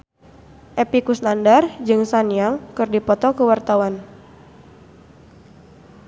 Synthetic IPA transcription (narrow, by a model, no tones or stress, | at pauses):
ʔepikusnandard͡ʒɨŋsanijaŋkɨrdipɔt̪ɔkəwart̪awan